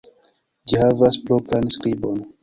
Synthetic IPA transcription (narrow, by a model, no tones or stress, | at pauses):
d͡ʒihavasplopɾanskɾibon